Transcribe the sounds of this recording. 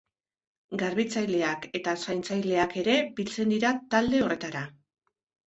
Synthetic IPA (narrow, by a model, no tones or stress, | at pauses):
ɡaɾβit͡sajle̞ake̞t̪asajnt͡sajle̞ake̞ɾe̞bilt͡se̞nd̪iɾat̪ald̪e̞o̞re̞t̪aɾa